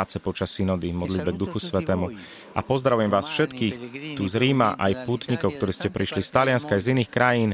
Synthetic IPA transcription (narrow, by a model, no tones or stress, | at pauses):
t͡sɛpɔt͡ʃasːinɔd̪imɔd̪lid̪bɛɡ̚d̪uxusʋɛt̪ɛːmu | ʔa̰pɔzd̪ɾaʋujɛmʋaːsfʃɛt̪kiːxt̪uzɾiːmaʔa̰jpuːt̪ɲikɔʊkt̪ɔɾɛːscɛpɾiʃlist̪alɪanskaːjziniːxkɾajiːn